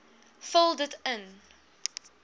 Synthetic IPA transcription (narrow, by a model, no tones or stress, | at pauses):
fəlˠdətə̃n